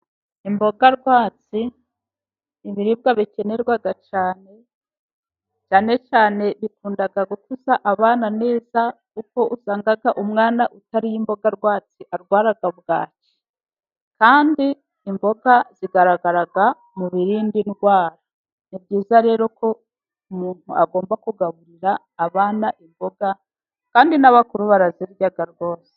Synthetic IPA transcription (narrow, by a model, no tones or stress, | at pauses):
imbo̞ɡaɾɡwaːt͡si | iβiɾibɡaβice̞ne̞ɾɡwaɡat͡ʃaːne̞ | t͡ʃaːnet͡ʃaːne̞βikuːndaɡaɡukuzaʔaβaːnane̞ːzakuko̞ʔusaːŋɡaɡaʔumŋaːnaʔutaɾijimbo̞ɡaɾɡwaːt͡siʔaɾɡwaːɾaɡaβɡaːci̥ | kaːndiː | mbo̞ɡaz̥iɡaɾaɡaɾaɡa | muβiɾiːndinɡwaːɾa | nibɟiːzaɾe̞ːɾo̞kʰo̞ | umuːnhuaɡo̞ːmbakuɡaβuɾiɾaː | βaːnaʔimbo̞ɡa | kaːndinaβakuɾuβaɾaziɾujaɡaɾɡo̞ːse̥